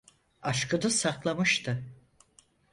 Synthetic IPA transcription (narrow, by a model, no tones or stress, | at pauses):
aʃkɯd̪asaklˠamɯʃt̪ʰɯ